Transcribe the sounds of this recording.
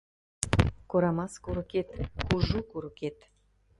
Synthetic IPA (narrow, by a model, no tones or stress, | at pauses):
koɾɑmɑskuɾɤ̆ket̪kuʒukuɾɤ̆ket̪